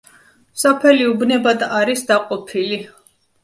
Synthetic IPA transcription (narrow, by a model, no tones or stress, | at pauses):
sapʰɛliubnɛbad̪aɾisd̪aqʼɔpʰili